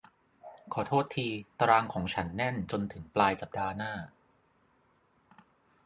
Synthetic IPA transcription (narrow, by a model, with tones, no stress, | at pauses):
kʰɔː˩˦t̪ʰoː˥˩t̪ʰːiː˧t̪ɾaː˧ŋkʰɔː˩˦ŋt͡ɕʰa˦˥nːɛ˥˩nt͡ɕo˧nt̪ʰɯ˩˦ŋplaː˧jsa˨˩p̚daː˧naː˥˩